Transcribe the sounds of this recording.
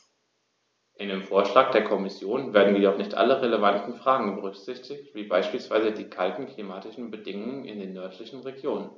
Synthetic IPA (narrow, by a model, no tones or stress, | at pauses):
ʔɪndeːmfoːɐʃlaːk̚d̥eːɐkʰɔmɪsjoːnveːɐdn̩jidɔχnɪçtʔa̰ləʁeləvantn̩fʁ̥aːɡŋ̩bəʁʏkz̥ɪçtʰɪçtv̥iːbaɪʃpiːlsv̥aɪzədiːkʰaltn̩klimaːtɪʃn̩bədɪŋʊŋənɪ̰ndeːnːœɐtʰlɪçn̩ʁeɡjoːnən